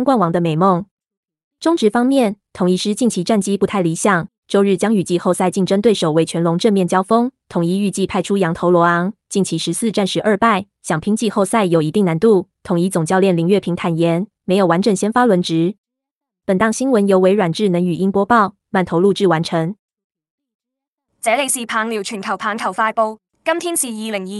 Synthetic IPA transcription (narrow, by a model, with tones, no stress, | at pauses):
nkwa˥˩nwɑ˧˥ŋd̪ə˧me˨˩ɪmo˥˩ŋ | ʈ͡ʂʊ˥ŋʈ͡ʂɻ̩˧˥fɑ˥ŋmjɛ˥˩nt̪ʰʊ˨˥ŋi˧˥ʂɻ̩˥t͡ɕi˥˩ŋt͡ɕʰi˧˥ʈ͡ʂa˥˩nt͡ɕi˥pu˧t̪ʰa˥˩ɪli˧˥ɕjɑ˨˩ŋ | t͡ɕo˥˧ʊɻ̩˥˩t͡ɕjɑ˥ŋy˨˩t͡ɕi˥˧xo˥˧ʊsa˥˧ɪt͡ɕi˥˩ŋʈ͡ʂə˥ŋt̪we˥˩ɪʂo˨˩ʊwe˧ɪt͡ɕʰɥɛ˧˥nlʊ˧˥ŋʈ͡ʂə˥˧mjɛ˥˩nt͡ɕjɑ˥ʊfɤ˥ŋt̪ʰʊ˨˩ŋi˧˥y˥˧t͡ɕi˥˧pʰa˥˩ɪʈ͡ʂʰu˥jɑ˧˥ŋt̪ʰo˧˥ʊlwɔ˧˥ɑ˧˥ŋt͡ɕi˥˩nt͡ɕʰi˧˥ʂɻ̩˧˥sɹ̩˥˧ʈ͡ʂa˥˩nʂɻ̩˧˥ʔə˞˥˧pa˥˩ɪ | ɕjɑ˨˩ŋpʰi˥ŋt͡ɕi˥˧xo˥˧sa˥˩ɪjo˨˩ʊi˧˥t̪i˥˩ŋna˧˥nt̪u˥˩t̪ʰʊ˨˩ŋi˧˥t͡sʊ˨˩ŋt͡ɕjɑ˥˧ʊljɛ˥˩nli˧˥ŋɥɛ˥˩pʰi˧˥ŋt̪ʰa˨˩njɛ˧˥nme˧˥ɪjo˨˩wa˧˦˥nʈ͡ʂə˨˩ŋɕjɛ˥nfa˥lwə˧˥nʈ͡ʂɻ̩˧˥˦ | pə˨˩nt̪ɑ˥˩ŋɕi˥nwə˧˥njo˧˥ʊwe˧˥ɪɻwa˨˩nʈ͡ʂɻ̩˥˩nə˧˥ŋy˨˩ʔi˥ŋpwɔ˥pɑ˥˩ʊ | ma˥˩nt̪ʰo˧˥ʊlu˥˧ʈ͡ʂɻ̩˥˩wa˧˥nʈ͡ʂʰɤ˧˥ŋ | t͡sɛ˨˥le˨˧ɪsiː˨˩pʰaː˨˥ŋli˨˩wt͡ʃʰy˨˩nkʰɐ˨˩wpʰaː˨˥nkʰɐ˨˩wfaː˧˥jpo˥˧ʊ | kɐ˥mt̪ʰi˥ŋsi˨ji˧˩lɪ˨˩ŋi˧